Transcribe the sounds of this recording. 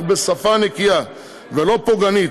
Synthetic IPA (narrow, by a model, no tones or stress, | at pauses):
besafanekija | velo̞poɡanit